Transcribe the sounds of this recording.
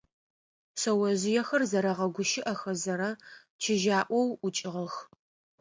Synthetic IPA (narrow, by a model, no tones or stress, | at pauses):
sɐwɐʑɪjɛxɐrzɐɾɐʁɐɡʷʊʃɪʔɐxɐzɐɾɐ | t͡ʃʰɪʒaːʔʷɔwʊt͡ʃʼɪʁəx